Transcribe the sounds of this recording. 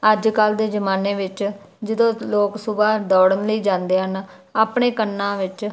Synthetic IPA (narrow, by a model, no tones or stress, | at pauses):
əd͡ʒkəld̪eːzəmaːneːʋɪt͡ʃ | d͡ʒəd̪õːloːksʊbaːd̪ɔːɽənləiːd͡ʒãːnd̪eːɦən | aːpɳeːkənːãːʋɪt͡ʃ